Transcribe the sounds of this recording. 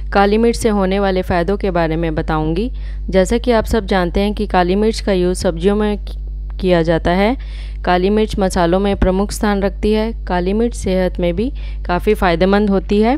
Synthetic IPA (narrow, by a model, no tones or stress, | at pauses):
kaːlimɪʈseɦoːneʋaːlefaːjɪd̪õkebaːɾemẽbɐt̪aːũːŋɡiː | d͡ʒɛːsakiaːpsɐb̚d͡ʒaːnt̪eɦɛ̃kikaːlimɪʈskajuːzsɐb̚d͡ʒijõmẽ | kijad͡ʒaːt̪aɦɛː | kaːlimɪʈsmɐsaːlõmẽpɾɐmʊkʰst̪ʰaːnɾɐk̚ʰt̪iɦɛːkaːlimɪʈseːɦət̪mẽbʱi | kaːfifaːɪd̪emə̃nd̪ɦoːt̪iɦɛː